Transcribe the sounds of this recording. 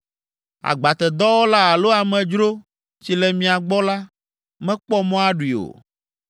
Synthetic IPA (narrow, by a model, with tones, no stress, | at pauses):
a̰˨ɡ͡ba˨t̪ɛ˨d̪ɔ˦wo˦la˦a˨lo˦a˨mɛ̃˨d͡ʒɾo˦ | t͡ɕi˨lɛ˨mĩ˨a˨ɡ͡bɔ˦la˦ | mɛ̃˦k͡pɔ˦mɔ̃˦a˦ɖu˨i˨o̰˨